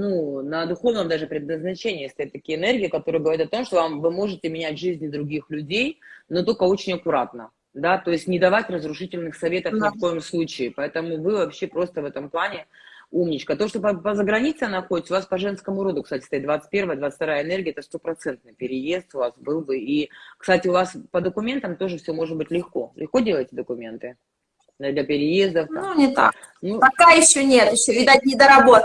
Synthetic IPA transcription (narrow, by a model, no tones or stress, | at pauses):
nunəd̪ʊxo̞vnəmd̪aʐɨpɾʲɪd̪̚nəznɐt͡ɕenʲɪːst̪ɐjat̪ːɐkʲijəɪnɛrɡʲɪɪkɐt̪o̞ɾɨjəɡəvɐɾʲit̪ɐt̪o̞mʂt̪ovamvɨmo̞ʐɨtʲɪmʲɪnʲætʲʐɨzʲnʲd̪ɾʊɡʲixlʲʉdʲejnot̪o̞lʲkəo̞t͡ɕɪnʲɐkʊɾat̪nə | d̪at̪o̞ɪsʲtʲnʲɪd̪ɐvatʲrəzɾʊʂɨtʲɪlʲnɨxsɐvʲe̞t̪əfnʲɪfko̞jɪmslˠut͡ɕɪːpɐɛt̪əmʊvɨvɐpɕːe̞pɾo̞st̪əvɛt̪əmplˠanʲɪumnʲɪt͡ɕkət̪oʂt̪opəpəzəɡɾɐnʲit̪sɨnɐxodʲɪt̪ʲsʊvaspɐʐɛnskəmʊɾo̞d̪ʊkst̪atʲɪ̥st̪ɐit̪̚d̪vat̪sɨ̥t̚ʲpʲevəjəd̪vat̪sɨ̥t̪ɐɾajəɪnerɡʲɪəɛt̪əst̪o̞pɾɐt̪sɛnt̪̚nɨjpʲɪɾʲɪje̞st̪ʊvasbɨlˠbɨikst̪atʲɪʊvaspəd̪əkʊmʲent̪əmt̪o̞ʐɨfsʲomo̞ʐɨd̪̚bɨtʲlʲɪxko̞̰lʔɪxkodʲelˠəjɪtʲɪd̪əkʊmʲe̞nt̪ɨ | d̪d̪lʲɐpʲɪɾʲɪje̞zd̪əfnunʲɪt̪a̰k | nupɐkajɪɕːonʲet̪jɪɕːovʲɪd̪at̚ʲnʲɪd̪əɾɐbot̪